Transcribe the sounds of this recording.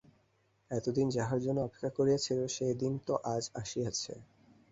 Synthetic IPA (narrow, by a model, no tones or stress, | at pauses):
ɛt̪od̪ind͡ʑaɦaɾd͡ʑonːoɔpe̥kʰːakoɾijat͡ɕʰiloʃejd̪int̪oʔad͡ʑaʃijat͡ɕʰḛ